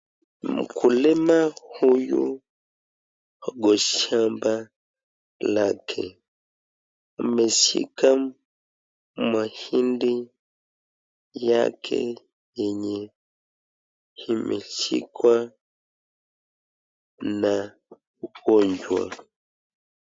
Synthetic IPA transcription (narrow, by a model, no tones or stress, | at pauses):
m̩̰kʰulɛmahujṵ | ɔɡɔʃamba | lakʰɛ | mesḭkam | mahindi | jakʰɛ̰ | jɛɲɛ | himʔesḭkwa | na | kɔɲd͡ʒwa̰